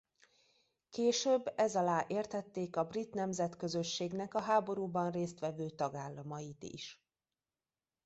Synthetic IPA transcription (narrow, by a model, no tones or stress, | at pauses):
keːʃøbːɛzɒlaːʔeːrt̪ɛt̪ːeːkɒbrit̪nɛmzɛt̪kø̞zø̞ʃːeːɡnɛkɒɦaːbo̞ɾuːbɒnreːst̪ʋɛvøːt̪ɒɡaːlːɒmɒjit̪ḭʃ